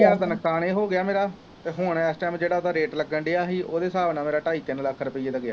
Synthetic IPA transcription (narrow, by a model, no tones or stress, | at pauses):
d̪ənəkkʰaːneːɦoːɡɪaːmeːɾaː | t̪eːɦʊɳɛːsʈaːmd͡ʒeːɽaːoːt̪ãːɾeːʈləɡəɳɖeːaːɦiːʔoːd̪eːsaːbnaːmeːɾaːʈaːiːt̪ɪnləkʰːɾəpəiːeːd̪aːɡɪja̰ː